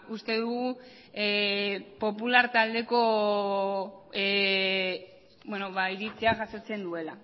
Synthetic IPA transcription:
ust̪e̞ðuɣu | po̞pulaɾt̪ald̪e̞ko̞ | bwe̞no̞βaiɾit͡seaʝasot͡se̞nd̪ue̞la

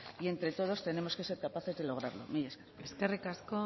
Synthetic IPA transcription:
ie̞nt̪ɾe̞t̪o̞ð̞o̞st̪e̞ne̞mo̞ske̞se̞ɾkapaθe̞zðe̞lo̞ɣɾaɾlo̞̰mijaskereskerikasko

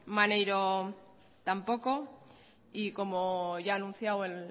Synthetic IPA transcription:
manejɾo | t̪ampo̞ko̞ | iko̞mo̞ʝaːnũn̟θjawe̞l

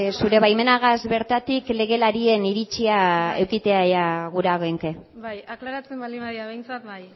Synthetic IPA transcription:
suɾe̞βajme̞naɣazβe̞ɾt̪at̪ikle̞ɣ̞e̞laɾie̞niɾit͡ʃiae̞wkit̪e̞aeaɣuɾaɣoeŋke̞ajaklaɾat͡semalaβejnt͡sat̪j

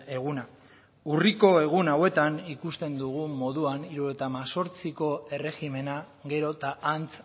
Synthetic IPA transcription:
e̞ɣuna | uriko̞e̞ɣ̞unawe̞t̪anikust̪e̞nd̪uɣ̞umo̞ðuaniɾuɾo̞t̪amaso̞ɾt͡siko̞e̞re̞ɣime̞na | ɣe̞ɾo̞t̪aːnt͡s

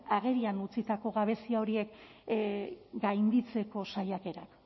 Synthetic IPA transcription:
aɣe̞ɾianut͡sit̪ako̞ɣaβe̞siao̞ɾie̞k | ɡajnd̪it͡se̞ko̞sajake̞ɾak

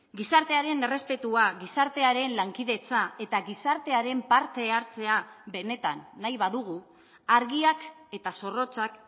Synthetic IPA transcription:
ɡisaɾt̪eaɾe̞ne̞re̞spe̞t̪uaɣisaɾt̪e̞aɾe̞nlaŋkiðe̞t͡sae̞t̪aɣisaɾt̪e̞aɾe̞mpaɾt̪e̞aɾt͡se̞abe̞ne̞t̪anːajβaðuɣ̞u | aɾɣiake̞t̪aso̞ro̞t͡sak

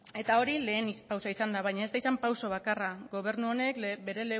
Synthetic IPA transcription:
e̞t̪ao̞ɾile̞ːnipawsaisand̪aβajɲaest̪aisampawso̞β̞akaraɡo̞β̞e̞ɾnuo̞ne̞kbe̞ɾe̞le̞

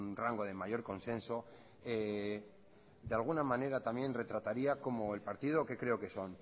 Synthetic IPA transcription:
nraŋɡo̞ð̞e̞majo̞ɾko̞nsẽ̞nso̞ | e | d̪ealɣ̞unamãne̞ɾat̪amje̞nre̞t̪ɾat̪aɾiako̞mo̞e̞lpaɾt̪ið̞o̞ke̞kɾe̞oke̞so̞n

